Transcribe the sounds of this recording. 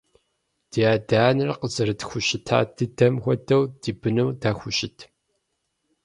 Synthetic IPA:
d̥iaːdaːnɨrqəzɐɾɨtxʷʊʃɪtʰa̰ːd̥ɨdɐmxʷɔdɐwd̥iːbɨnɐwdaːxʷʊʃɪtʰ

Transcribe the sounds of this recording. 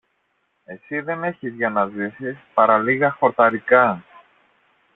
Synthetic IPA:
e̞siðe̞ne̞çizʝɐnɐzisispɐɾɐliɣɐxo̞ɾt̪ɐɾikɐ

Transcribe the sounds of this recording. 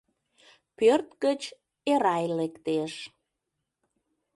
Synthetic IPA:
pørt̪kət͡ɕ | eɾɑjlekt̪eʃ

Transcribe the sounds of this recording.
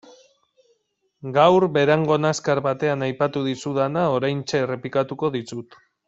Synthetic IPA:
ɡawɾbe̞ɾaŋɡo̞naskaɾβat̪e̞anajpat̪uð̞isuð̞anao̞ɾajnt͡ʃe̞re̞plikat̪uko̞ðisut̪

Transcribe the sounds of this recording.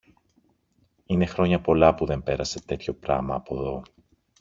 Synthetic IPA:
ine̞xɾo̞ɲɐpo̞lɐpuðe̞mpe̞ɾɐse̞t̪e̞t̪ço̞pɾɐ̰mɐːpo̞ðo̞

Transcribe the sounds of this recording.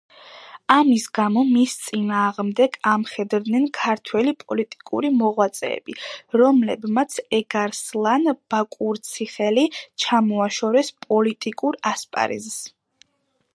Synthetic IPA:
amisɡamɔmist̪sʼinaːʁmd̪ɛɡamχɛd̪ɾd̪nɛnkʰaɾt̪ʰwɛlipʼɔlit̪ʼi̥kʼṵɾimɔʁwat̪sʼɛ̰ːbiɾɔmlɛbmat̪sʰɛɡaɾslˠanb̥akʼuɾt̪sʰiχɛlit͡ʃʰamɔaʃɔɾɛspʼɔlit̪ʼikʼuɾaspʼa̰ɾḭzs

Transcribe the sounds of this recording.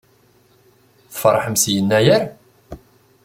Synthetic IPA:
θfɾˤɑħəmsjənːæjæɾ

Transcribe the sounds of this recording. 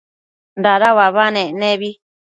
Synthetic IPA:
ndaɾawaβanẽnẽβi

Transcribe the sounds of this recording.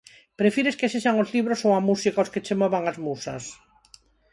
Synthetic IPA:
pɾefiɾeskeseʃaŋozliβɾosoamusikaosket͡ʃemoβaŋazmusas

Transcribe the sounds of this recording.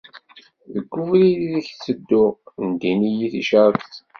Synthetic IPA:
ðəɡːufliðiðiçt͡sːəd̪ːʊʁənd̪inijiθiʃəɾˤθ

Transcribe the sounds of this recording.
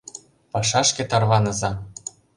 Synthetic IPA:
pɑʃɑʃkʲĕt̪ɑrβɑnɤ̆zɑ

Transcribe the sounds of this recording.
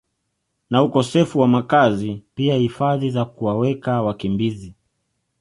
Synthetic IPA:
naukɔsɛfuwamakazipiahifaðizakuwawɛkawakimbizi

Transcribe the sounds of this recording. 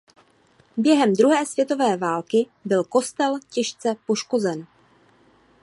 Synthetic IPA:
bjɛɦɛmd̪ɾuɦɛːsv̥jɛt̪o̞vɛːvaːlkɪ | bɪlko̞st̪ɛlcɛʃt͡sɛpo̞ʃko̞zɛn

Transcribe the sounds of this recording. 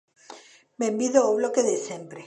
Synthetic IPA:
membiðoawβlokeðesempɾe

